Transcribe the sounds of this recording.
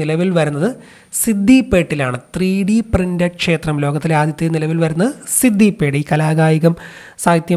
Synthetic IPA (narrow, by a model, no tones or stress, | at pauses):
ilɐʋilʋɐɾunːɐðɨ | sid̪ʱːipːeːʈːilaːɳɨt̪riːɽiprindɐkʂe̞ːt̪rɐmlo̞ːɡɐt̪ːilaːd̪jɐt̪ːenilɐʋilʋɐɾunːɐsid̪ʱːipːeːʈiːkɐlaːɣaːjiɣɐm | saːt̪jɐ